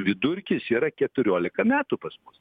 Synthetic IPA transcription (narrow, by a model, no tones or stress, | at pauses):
ʋʲɪd̪ʊɾʲkʲɪsiːɾɐkʲɛt̪ʊɾʲoːlʲɪkɐmʲæːt̪upɐsmʊs